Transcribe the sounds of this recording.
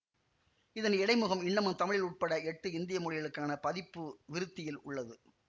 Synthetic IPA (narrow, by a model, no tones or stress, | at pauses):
ɪðɐnɛɽɐɪmɯɣɐmɪɳːɐmɯnt̪ɐmɪɻɪlʊʈ̚pɐɽɐɛʈːɯɪnd̪ɪjɐmɔɻɪjɐɭɯkːaːnɐpɐðɪpːɯʋɪɾɯt̪ːɪjɪlʊ̰ɭːɐðɯ